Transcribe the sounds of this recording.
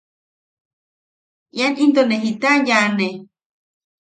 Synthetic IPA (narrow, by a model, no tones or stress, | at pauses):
janint̪oneɦit̪ajane